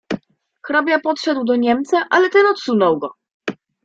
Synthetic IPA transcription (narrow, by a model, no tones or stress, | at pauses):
xɾabʲjapɔt̪ʂɛd̪wd̪ɔɲɛmt̪saʔalɛt̪ɛnɔt̪sunɔwɡɔ